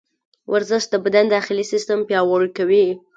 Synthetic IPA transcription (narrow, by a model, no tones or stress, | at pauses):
wʔaɾzɪʃt̪̚d̪əbad̪and̪axɪlisɪst̪əmpjɑwɑɾukawi